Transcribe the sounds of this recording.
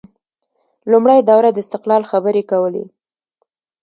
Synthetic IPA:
lumɽajd̪awɾad̪əɪst̪ɪqlɑlxabəɾekawəlḛ

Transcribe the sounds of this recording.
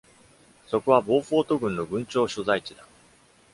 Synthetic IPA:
so̞koβabo̞ːɸo̞ːt̪o̞ɡɯ̟̃nːo̞ɡɯ̟̃ɲ̟t͡ɕo̞ːɕozait͡ɕid̪a

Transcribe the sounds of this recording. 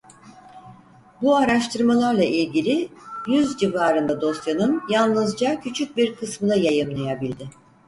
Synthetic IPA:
buaɾaʃt̪ɯɾmalˠaɾlˠaʔilʲɟilʲɪjyzd͡ʒivaːɾɯnd̪ad̪o̞st̪janɯnjalˠnɯzd͡ʒacʰyt͡ʃʰyc̚biɾkʰɯsmɯnajajɯmlˠajabilʲd̪ɪ

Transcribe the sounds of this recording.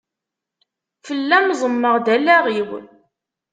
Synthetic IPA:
fəlːæmzˤəmːəʁd̪ælːæʁiw

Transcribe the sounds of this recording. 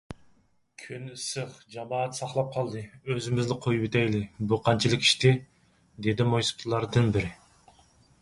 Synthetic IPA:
kʲʰynɨsɨqd͡ʒɑmɑːt̪sɑχlˠɑp̚qʰɑlˠd̪ɨøzɪmɪznɪqʰojupɪt̪ʰɛjlɪbuqʰɑnt͡ʃʰɨlˠɨkʲi̥ʃt̪ɪ | d̪ed̪ɪmojsɨ̥pt̪ʰlˠɑɾd̪ɨnbɪɾɪ

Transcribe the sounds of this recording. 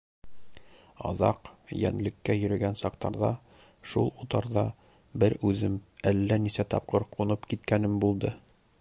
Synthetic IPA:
ɒ̰ðɑ̰qjæ̰nlɘ̆kːæjɵ̆ɾɵ̆ɡænsɑqt̪ɑɾðɑ | ʃulˠut̪ɑɾðɑ | bɘɾʉðɘmælːænisæt̪ɒp̚qɤɾqʰunɤpkit̪̚kænɘmbulˠd̪ɤ

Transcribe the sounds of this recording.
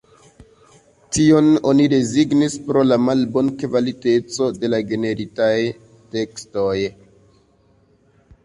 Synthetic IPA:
tio̞no̞nide̞ziɡnispɾo̞lamalbo̞nkvalite̞t͡so̞de̞laɡe̞ne̞ɾitaj | te̞ksto̞j

